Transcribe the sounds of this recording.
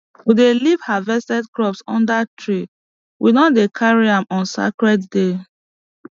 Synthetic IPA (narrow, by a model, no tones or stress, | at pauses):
widelivhavɛstɛdkɹɔpsɔ̰̃ndatʰɹi | widɔ̃ndekʰaɹiãmɔ̃nsa̰kɹɛtde